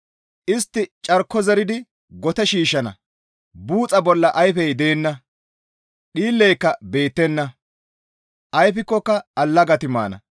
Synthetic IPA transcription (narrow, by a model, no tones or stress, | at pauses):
ʔɪst̪ːɪt͡ʃʼɐɾkːɔzɛɾɪd̪ɪ | ɡɔt̪ɛʃiːʃɐnɐ̰ | buːt͡sʼɐbɔlːɐʔɐjfɛjd̪eːnːɐ | ɗiːlːɛjkːɐbe̞ːt̪ːɛnːɐ | ʔɐjfɪkːɔkːɐɐlːɐɡɐt̪ɪma̰ːnɐ̰